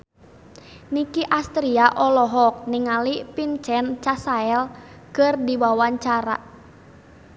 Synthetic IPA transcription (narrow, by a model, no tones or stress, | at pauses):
nikiʔast̪ɾiaʔɔlɔɦɔk̚niŋalipint͡ʃɛnt͡ʃasaɛl | kɨrdibawaɲt͡ʃaɾa̰